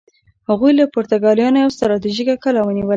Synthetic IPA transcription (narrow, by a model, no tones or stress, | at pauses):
haɣujlapoɾt̪aɡɑlijɑnojawst̪aɾɑt̪iʒikakəlawəniwəl